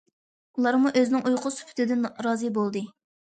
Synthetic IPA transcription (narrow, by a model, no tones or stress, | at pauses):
ulˠɑɾmuʔøzɪnɪŋʔujqʰʊsy̥pʰy̥t̪ʰɪd̪ɪnɾɑːzɨbolˠd̪ɨ